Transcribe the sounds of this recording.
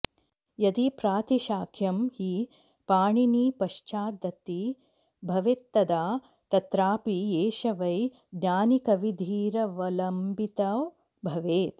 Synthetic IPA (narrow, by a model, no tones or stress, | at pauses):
jɐd̪ipɾaːt̪iʃaːkʰjɐmhi | paːɳiniːpɐʃt͡ʃaːd̪ɐt̪i | bʱɐʋet̪ːɐd̪aː | t̪ɐt̪ɾaːpieːʃɐʋɐj | d̪ɲaːnikɐʋid̪ʱiːɾɐʋɐlɐmbit̪ɐw | bʱɐʋeːt̪